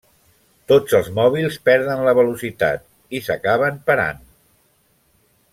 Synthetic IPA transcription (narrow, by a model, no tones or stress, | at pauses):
t̪od͡zəlˠzmɔβ̞ilˠspɛɾðənləβəlusit̪a̰t̪̚ | isəkaβ̞əmpəɾa̰n